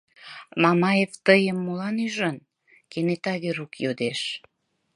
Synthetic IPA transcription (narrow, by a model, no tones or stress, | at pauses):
mɑmɑjevt̪əjəmːulɑnyʒən | kenet̪ɑɣeɾukjod̪eʃ